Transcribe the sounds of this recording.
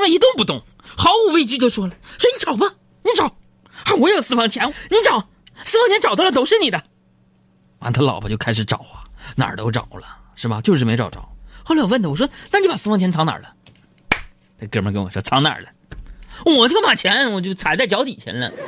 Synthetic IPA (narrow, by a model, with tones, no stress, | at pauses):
ma˥˩i˧˥t̪ʊ˥˧ŋpu˥˧t̪ʊ˥˩ŋ | xɑ˧˥ʊu˨˥˩we˥ɪt͡ɕy˥t͡ɕ̬o˥˧ʊʂwɔ˥lə˨swɔ˧˥ni˧˥ʈ͡ʂɑ˨˩ʊbɐ˦ | ni˧˥ʈ͡ʂɑ˨˩˦ʊ | a˥˩wɔ˧˥jo˨˩ʊsɹ̩˥˧fɑ˥˩ŋt͡ɕʰjɛ˧˥nni˧˥ʈ͡ʂɑ˨˦ʊ | sɹ̩˥˩fɑ˥ŋt͡ɕʰjɛ˧˥nʈ͡ʂɑ˨˩ʊ˥˩lə˧t̪o˨˩ʊʂɻ̩˥˩ni˨˩d̪ə˦ | ma̰˧˥˩t̪ʰa˥lɑ˨˩bə̰˧˦t͡ɕo˥˧ʊkʰa˥ɪʂɻ̩˧˩˥ʈ͡ʂɑ̰˨˩˦ʊɐ˦na̰˨˩t̪o˧˥ʊʈ͡ʂɑ̰˨˩ʊlə˦ | ʂɻ̩˥˩bɐ˩t͡ɕjo˥˧ʊʂ̬ɻ̩˥˩me˧˥ɪʈ͡ʂɑ˨˩ʊʈ͡ʂɑ̰˨˩˦ʊxo˥˧lwə˥˩nd̪ə˩wɔ˨˩ʂ̬wɔ˥na˥˩ni˧jpa˨˩sɹ̩˥˧fɑ˧˥ŋt͡ɕʰɛ˧˥nt͡sʰɑ˧˥ŋna̰˨˩lə˦ | t͡sa˥˧kmə˧˥˩kə˥nwɔ̰˨˩ʂwɔ̰˦˥t͡sʰɑ˧˥ŋna̰˞˨˩lə˦ | ɔ˧˩wɔ˨˩t͡ɕjʊma˨˩t͡ɕʰjɛ˧˥nwɔ˨˩t͡ɕjo˥˩ʊt͡sʰa˨˩ɪt͡sa˥˩ɪt͡ɕjɑ˧˥ʊt̪i˨˩t͡ɕʰjɛ̰˧˥nlə̰˥